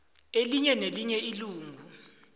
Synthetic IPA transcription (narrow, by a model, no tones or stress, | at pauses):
eliɲɛneliɲɛiluːŋɡʱu